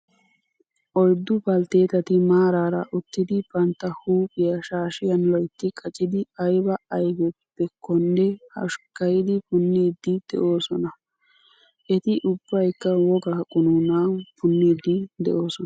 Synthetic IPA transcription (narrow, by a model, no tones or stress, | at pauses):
ʔɔjd̪ːʊpɐlt̪e̞ːt̪ɐt̪ɪmaːɾaːɾɐʔʊt̪ːɪd̪ɪbɐnt̪ːɐhuːpʼɪjɐʃaːʃɪjɐnlɔjt̪ːɪkʼɐt͡ʃʼɪd̪ɪɐjbɐɐjɡɛpːɛkɔnːɛhɐ̰ʃkɐjɪd̪ɪpʊnːiːd̪ːɪd̪̥ɛ̰ʔo̞ːsɔnɐ | ʔɛt̪ɪʔʊbːɐjkːɐwɔɡɐkʼʊnuːnaːpʊnːiːd̪ɪd̪ɛ̰ʔo̞ːsɔn